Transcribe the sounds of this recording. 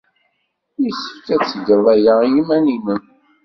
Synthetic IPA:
isə̥fkæt͡sːɡəðˤæjajimæniməm

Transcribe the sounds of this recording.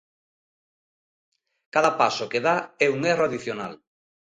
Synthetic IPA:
kaðapasokeðaɛuŋeraðiθjona̰l

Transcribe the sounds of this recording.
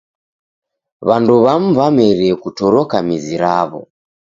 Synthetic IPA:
βanduβam̩vamɛɾiɛkutɔɾɔkamiziɾaβɔ̰

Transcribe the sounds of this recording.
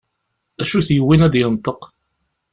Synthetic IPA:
æʃuθjəwːinæd̪jənt̪ˤːəq

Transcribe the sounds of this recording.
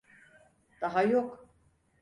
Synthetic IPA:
d̪̥aɦajok

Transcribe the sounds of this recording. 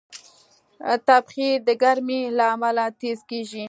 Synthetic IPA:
t̪abxid̪əɡaɾmelaːmalat̪ezkeʒi

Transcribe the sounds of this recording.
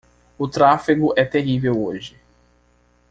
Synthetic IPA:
ʊt̪ɾafiɡʊʔɛt̪eɦivewoʒɪ

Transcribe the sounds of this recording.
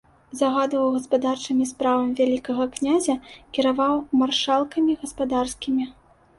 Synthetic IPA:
zɐɣad̪vɐwɣɐspad̪art͡ʂɨmʲispɾavɐmʲivʲalʲikɐɣɐknʲazʲɐkʲɛɾavawmarʂalˠkɐmʲiɣɐspad̪arskʲimʲi

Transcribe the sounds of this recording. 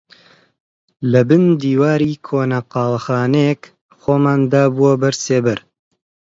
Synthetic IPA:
lɐbɨnd̪iːwaːɾiːkʰoːnɐqɑːlɐxaːnɛjek | xoːmaːnd̪aːbuwɐbɐɾseːbɐɾ

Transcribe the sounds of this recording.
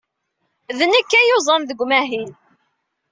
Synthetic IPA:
ðənækːæjozˤənðəɡʷːmæɦil

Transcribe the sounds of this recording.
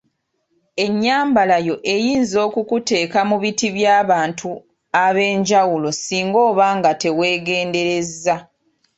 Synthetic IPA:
e̞ɲːaːmbalajo̞ʔe̞jiːnzo̞ːkukute̞ːkamuβitiβjaːβaːntʰu | aβe̞ːɲɟawulo̞siːŋɡo̞ːβaːŋɡate̞we̞ːɡe̞ːnde̞ɾe̞zːa

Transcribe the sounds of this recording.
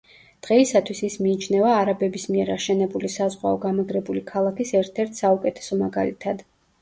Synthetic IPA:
d̪̥ʁɛisat̪ʰwisismiːt͡ʃʰnɛvaːɾabɛbismiɛɾaʃɛnɛbulisazʁwa̰ɔɡamaɡɾɛbulikʰalˠakʰisɛɾt̪ʰɛɾt̪ʰsaukʼɛt̪ʰɛ̥sɔmaɡa̰lḭt̪ʰad̪

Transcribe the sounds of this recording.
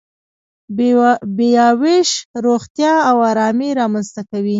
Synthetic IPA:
bejɑweʃɾoxt̪jɑawɑɾɑmeɾɑmanst̪akawi

